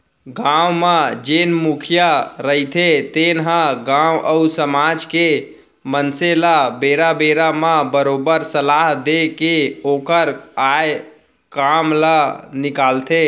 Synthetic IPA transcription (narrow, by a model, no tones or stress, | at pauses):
ɡawmad͡ʒenmukʰijaɾəɦit̪ʰet̪enɦə̃ɡãwʔəusəmad͡ʒke | mənselabeɾabeɾamãbəɾobəɾsəlaɦd̪ekeokəɾaj | kamlanikalt̪ʰe